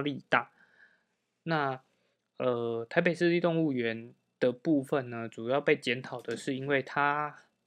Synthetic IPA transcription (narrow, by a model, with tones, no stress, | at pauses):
li˥˧t̪a˥˨˩ | na˥˨ | ə˩t̪ʰa˧˥ɪpe˨˩ɪʂɻ̩˥˧li˥˧t̪o˥˧ŋu˥˩ɥɛ˨˦n | d̪̥ə˨pu˥˧fə˨nnə˩ʈ͡ʂu˨˩jɑ˥˧ʊpe˥˩ɪt͡ɕjɛ˧˦nt̪ʰɑ˨˩ʊd̪ə˩ʂɻ̩˥˩i˦nwe˥˩ɪt̪ʰa˥